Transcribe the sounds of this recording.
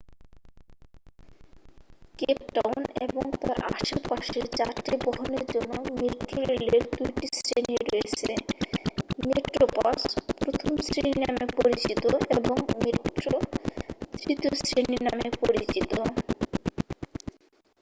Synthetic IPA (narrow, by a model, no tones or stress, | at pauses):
kep̚ʈawnḛboŋt̪aɾʔa̰ʃepaʃeɾt͡ɕaɾʈibɔɦoneɾd͡ʑonːomeʈɾoɾeleɾd̪ujʈisɾeniɾojet͡ɕʰe | meʈɾopaspɾot̪ʰomsɾininamepoɾit͡ɕit̪oeboŋmeʈɾo | d̪ɾit̪iosɾeninamepoɾit͡ɕit̪o